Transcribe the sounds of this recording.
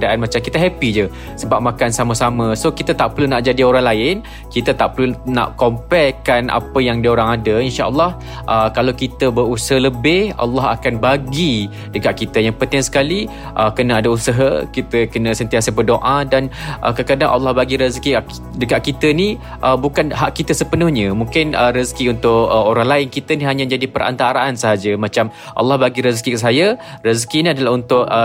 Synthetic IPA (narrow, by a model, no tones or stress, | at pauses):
daʔanmat͡ʃamkit̪əɦɛpid͡ʒə | səbap̚makansaməsamə̃sokit̪ət̪aʔpəlunaʔd͡ʒadioɾaŋlaɪn | kit̪ət̪aʔpəluna̰ʔkɔmpɛkanʔa̰pəjaŋdioɾaŋadəinʃaʔəlːɑh | ʔəkalawkit̪əbəɾusəɦələbɪha̰lːɑɦa̰kanbaɡi | dəɡaʔkit̪əjaŋpənt̪ɪŋsə̥kali | ʔəkənãadausəɦəkit̪əkənə̃sənt̪iasəbərdoʔadanʔə̰kəkadaŋʔa̰lːɑhbaɡiɾəzki | dəɡaʔkit̪əni | ʔəbukanɦaʔkit̪əsəpənʊhɲə̃muŋkɪnəɾəzkiunt̪ʊʔəoɾaŋlaɪnkit̪əniɦaɲãd͡ʒadipəɾʔa̰nt̪aɾaʔansəɦad͡ʒəmat͡ʃam | ʔɑ̰lːɑhbaɡiɾəzkikəsaja | rəzkiniadalaɦunt̪ʊʔə